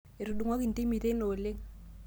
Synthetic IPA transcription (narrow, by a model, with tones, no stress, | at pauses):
e˨ɾu˨du˨ŋɔ˦ki˨nti˦mi˨te˦no˨le˦ŋ